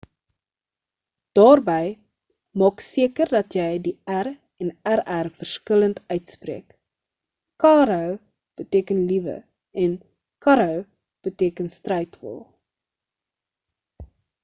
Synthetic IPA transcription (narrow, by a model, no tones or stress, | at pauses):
d̥ɑːrbɛj | mɑːksiəkərdɐtjɛjdiær | ɛnæɾærfərskələntœɥtsprḛək | kɑːɾəw | b̥əteːkənlivə̰ | ʔɛn | kɐɾəw | b̥əteːkənstrɛjtvɔ̰lˠ